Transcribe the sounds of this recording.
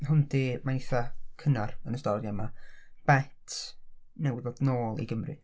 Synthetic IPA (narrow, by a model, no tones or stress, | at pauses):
hʊndimanɪθakʰənarənəstɔrjamab̥ɛtʰ | nɛwɪðodnoːlˠḭɡəmrɨ̰